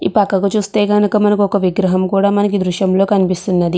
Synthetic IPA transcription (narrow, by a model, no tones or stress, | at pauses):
ḭːpɐkːɐɡɐt͡ʃuːst̪e̞ːɡɐnukɐmɐnɐkiɔkɐʋiɡɾɐɦɐmkuːɽaːmɐnɐk̬id̪ɾuʃjɐmlo̞ːkɐnipist̪unːɐd̪i